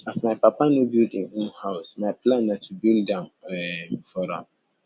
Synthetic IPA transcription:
asmaɪpapʰanobildĩŋũnhaʊsmaɪplãnːãtʰubildãnɛfɔɾa̰

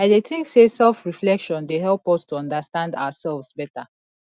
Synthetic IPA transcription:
aɪdeθɪ̃ŋksesɛlfɹiflɛkʃɔ̃ndeɦɛlˠpɔstuɔ̃ndastãnda̰wasɛlˠvzbɛta

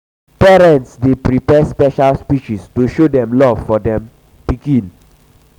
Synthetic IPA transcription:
pɛɹɛ̃ntsdepɹipɛspɛʃalspiʃistoʃodɛ̃mlɔv̥fɔdɛ̃m | pikĩn

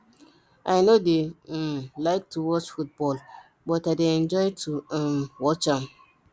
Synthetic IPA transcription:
ʔajnode | laɪk̚tʰuwɔt͡ʃfut̚bɔl | bɔtaɪdeɛ̃nd͡ʒɔɪtʰuwɔt͡ʃãm

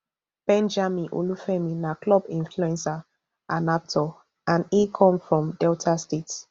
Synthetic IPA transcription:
b̥ɛ̃nd͡ʒamĩʔo̰lufɛmĩnaklɔbĩnfluɛ̃nsa | anap̚tʰɔ | ãnikʰɔ̃mfɹɔ̃mdɛltʰastets

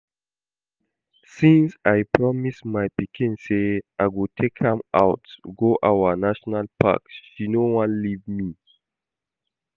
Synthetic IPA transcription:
sĩnsaɪpʰɹɔmismajpikĩnseʔaɪɡutʰekhãma̰ʊtɡoʔawənaʃɔnalpʰa̰kʃinowãnlivmi

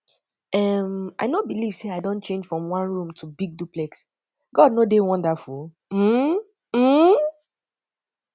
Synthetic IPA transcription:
ɛma̰ɪnobiliv̥seaɪdõnt͡ʃẽnd͡ʒfɹɔ̃mwãnɹũmtʰubiɡ̚duplɛks | ɡ̥ɔd̚nodewɔ̃ndəful | m̩ | m̩

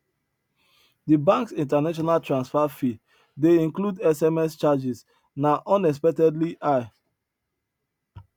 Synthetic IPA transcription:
dibãŋksĩntanaʃ̬ɔnaltɹãnsfafi | deĩnkludɛsɛmɛst͡ʃad͡ʒis | naʔɔ̃nɛs̬pɛk̚tɛdliʔaɪ

